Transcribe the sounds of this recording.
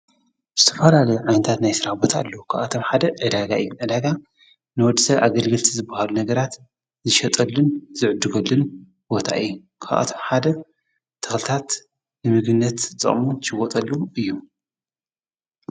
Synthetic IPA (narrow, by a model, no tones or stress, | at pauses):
z̥ɨt̪ʰɐ̥fɐlalɐjuʕajnɨt̪ʰat̪najsɨɾaħbo̞t̪ʰaɨlːɐwukʰaβʔat̪ʰomħad̪ɐʔɨd̪aɡaʔɨjːuʕɨd̪aɡa | nɨwɔd̪isɐβʔaɡɐlɡɨlt̪ʰizɨbːahalunɐɡɐɾat̪ | zɨʃɐt̪ʼɐlːunzɨʕd̪ːɨɡɐlːun | b̥o̞t̪ʰa̰ʔɨjːu | kʰa̰βʔa̰t̪ʰomħad̪ɐ | t̪ʰɐ̥xlɨt̪ʰat̪ | nɨmɨɡɨnːɐt̪ɨt͡sʼɐ̰χʼmut̪ʰʃɨɡot̪ʼɐlːuɨjːu